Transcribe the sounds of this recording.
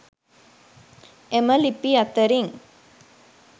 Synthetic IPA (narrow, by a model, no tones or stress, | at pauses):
eməlipiat̪əɾiŋ